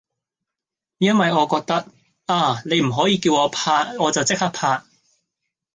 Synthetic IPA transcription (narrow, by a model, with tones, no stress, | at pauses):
jɐ˥nwɐ˨jɔː˨˧kɔː˧k̚t̪ɐ˥k̚ | aː˧ne˨˧jm̩˨˩ɦɔː˨˥jiː˧kiː˧wɔː˨˧pʰaː˧t̚ɔː˨˧t͡sɐ˨wt͡sɪ˥k̚haː˥k̚pʰaː˧t̚